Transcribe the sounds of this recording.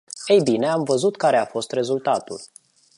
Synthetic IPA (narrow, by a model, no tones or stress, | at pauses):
ejbineamvəzut̪kaɾe̞afo̞st̪re̞zult̪at̪ṵl